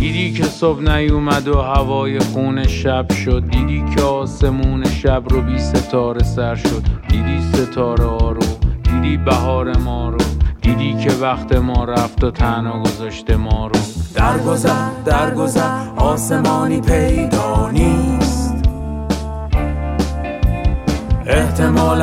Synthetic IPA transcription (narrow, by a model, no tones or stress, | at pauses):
d̪̥iːd̪iːkʰe̞sobnæjuːmæd̪ohævɒːje̞xuːne̞ʃæb̥ʃod̪̚ːiːd̪iːcʰeɒːse̞muːneʃæbrobiːse̞t̪ʰɒːɾe̞sæɾʃo̞d̪̥d̪iːd̪iːse̞t̪ʰɒːɾeɒːɾo̥iːd̪iːbæɦɒːɾe̞mɒːɾod̪̥iːd̪iːkʰe̞væxt̪ʰe̞mɒːɾæft̪ot̪ʰænɒːɡozɒːʃt̪e̞mɒːɾod̪̥æɾɡozd̪æɾɡozæɾɒːsemɒːniːpʰejd̪ɒːniːst̪ | ʔeht̪ʰemɒːl